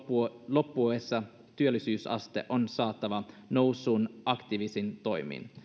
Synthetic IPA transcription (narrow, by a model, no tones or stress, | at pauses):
lo̞pːuesːɑ | t̪yølːˑisyːsɑ̰st̪ḛʔo̞nsɑːt̪ˑːɑʋɑ | no̞wsuːnɑkt̪iʋisint̪o̞jmḭn